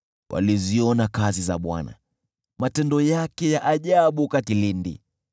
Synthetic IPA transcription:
wʔa̰liziɔnakazizaɓwa̰na̰ | matɛndɔjakɛjaʔaʄaɓukatilindḭ

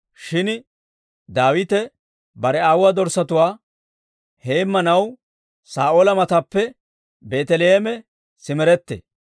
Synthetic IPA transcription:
ʃɪn | d̪aːwɪt̪ɛ | bɐɾɛaːwwaːd̪ɔɾsɐt̪ʊwaː | heːmːɐnɐw | saːʔoːlɐmɐt̪ɐpːɛ | be̞ːt̪ɛlɛeːmɛ | sɪmɛɾɛt̪ːḛ

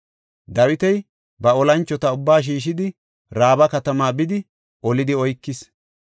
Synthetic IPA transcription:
d̪ɐwɪt̪ɛj | bɐɔlɐnt͡ʃːɔt̪ɐʊbːaːʃ̬iːʃɪd̪ɪ | ɾaːbɐkɐt̪ɐmaːbɪd̪ɪ | ʔɔlɪd̪ɪɔjkːɪs

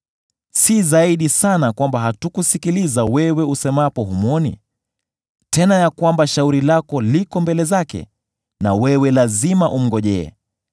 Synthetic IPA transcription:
sizaiɗisanakwambaɦatukusikilizawɛwɛusɛmapɔɦumɔnḭ | tɛnajakwambaʃauɾilakɔlikɔmbɛlɛzakɛ̰ | na̰wɛwɛlazimaʔum̩ɡɔʄɛɛ̰

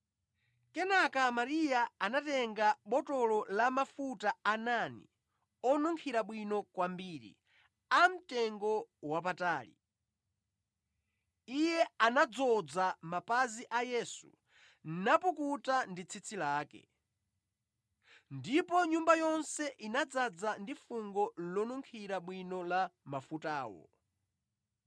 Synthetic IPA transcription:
kɛnakamaɾijaanatɛŋɡaɓɔtɔlɔlamafutaananḭ | ɔnuŋkʰiɾaɓwinɔkwambiːɾḭ | am̩tɛŋɡɔwap̬ataːlḭ | ijɛanad͡zɔd͡zamapaziʔajɛsṵ | napukutandit͡sʰit͡sʰilaːkɛ̰ | ndipɔɲumbajɔnsɛʔinad͡zad͡zandifuŋɡɔlɔnuŋkʰiɾaɓwinɔlamafutaːwɔ̰

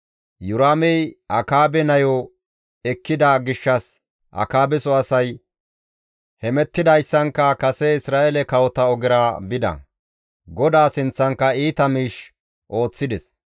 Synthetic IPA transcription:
jʊɾaːmɛjʔɐkaːbɛnɐjɔ | ɛkːɪd̪aɡɪʃːɐs | ʔɐ̰kaːbɛsɔɐsɐj | hɛmɛt̪ːɪd̪ɐjsːɐŋkːɐkɐsɛɪsɾaːʔɛlɛkɐwɔt̪ɐɔɡɪɾaːbɪd̪ɐ̰ | ɡɔd̪aːsɪnt͡sːɐŋkːɐiːt̪ɐmiːʃ | ʔo̞ːt͡sːɪd̪ɛs

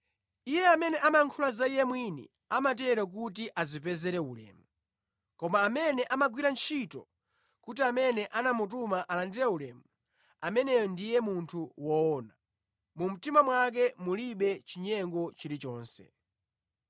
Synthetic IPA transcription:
ijɛamɛnɛʔamaŋkʰulazaijɛmwinḭ | amatɛɾak̬ut̬iʔazipɛzɛɾɛulɛ̰ːmu | kɔmaːmɛnɛʔamaɡwiɾant͡ʃʰitɔ | kut̬iamɛnɛʔanamut̬umaʔalandiɾɛulɛmu | amɛnɛjɔndijɛmuntʰuwɔɔna | mum̩timamwak̬ɛmuliɓɛt͡ʃiɲɛŋɡɔt͡ʃiɾit͡ʃɔːnsɛ̰

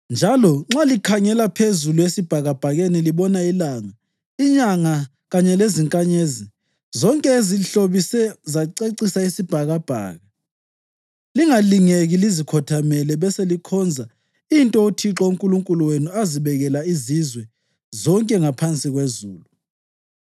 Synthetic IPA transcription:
nd͡ʒʱalɔŋ͡ǁalikʰaŋɛlapʰezuluesib̥ʱaɣab̥ʱaɣeniliβɔnailaŋa | iɲaŋa | ɣaɲɛleziŋkʼaɲezi | zɔŋkʼɛeziɬoβisɛzaǀeǀisaisib̥ʱaɣab̥ʱa̰ːɣa | liŋaliŋeɣilizikʰɔtʰamɛlɛβɛselikʰɔnd͡zʱa | intʼɔutʰiǁɔuŋkʼuluŋkʼuluwenuaziβɛɣɛlaizizwɛ | zɔŋkʼɛŋapʰant͡sʼiɣwezuːlu

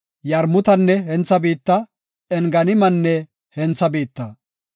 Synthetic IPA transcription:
jɐɾmʊt̪ɐnːɛɦɛnt͡sːɐbiːt̪ːɐ | ɛŋɡɐnɪmɐnːɛ | hɛnt͡sːɐbiːt̪ːɐ

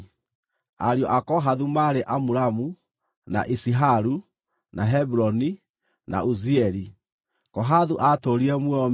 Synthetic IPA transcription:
a̰ɾjɔʔakɔɦaðumaɾeʔamuɾamu | na̰ʔisiɦaɾu | naɦɛbɾɔni | na̰uziɛɾi | kɔɦaðuʔatoɾiɛmwɛɔm

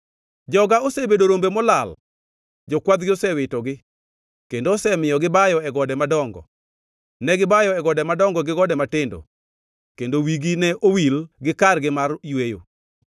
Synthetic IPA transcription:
d͡ʒɔɡaosebedoɾombemɔlal | d͡ʒɔkwad̪ɡɪosɛwɪtɔɡɪ | kendoːsɛmɪjɔɡɪbajɔɛɡɔdɛmadɔŋɡɔ̰ | nɛɡɪbajɔɛɡɔdɛmadɔŋɡɔɡɪɡɔdɛmatɪndo̰ | kendowiɡinɛʔowilɡɪkarɡɪmarjwejo̰

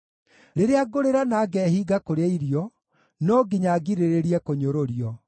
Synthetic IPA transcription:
ɾeɾeaɡoɾeɾanaɡɛhiːɡakoɾeaiɾjɔ | nɔɡiɲaɡiɾeɾeɾiɛkoɲoɾoɾjɔ

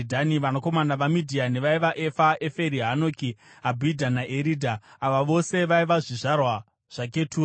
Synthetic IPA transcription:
dʱaniʋanoko̞manaʋamidʱiane̞ʋaiʋaʔe̞faʔe̞fe̞ɾiɦano̞kiabʱidʱanaʔeɾiːdʱaːʋaʋo̞se̞ʋaiʋaʐiʐarwa | ʐ̥ak̬e̞tʰuː

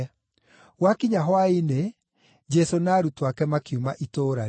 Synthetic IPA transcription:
ɣwakiɲaɦwaine | d͡ʒɛsonaːɾutwakɛmakiumaʔitoːɾa

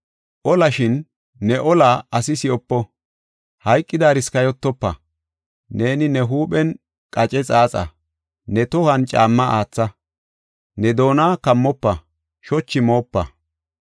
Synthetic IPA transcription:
ʔɔlɐʃɪnː | ɛʔɔlaɐsɪsɪjɔpːɔ | hɐjkʼːɪd̪aːɾɪskɐjɔt̪ːɔpːɐ̰ | ne̞ːnɪnɛɦuːpɛn | kʼɐt͡ʃʼɛt͡sʼaːt͡sʼɐ̰ | nɛt̪ɔhɐnt͡ʃʼaːmːɐʔaːt͡sːɐ | nɛd̪o̞ːnaːkɐmːɔpːɐ | ʃɔt͡ʃːɪmo̞ːpːɐ̰

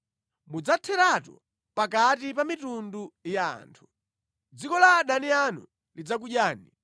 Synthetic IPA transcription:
mud͡zatʰɛɾatɔ̰ | pakatipamitunduja̰ːntʰu̥ | d͡zikɔlaɗanianṵ | lid͡zak̬uʄjaːni

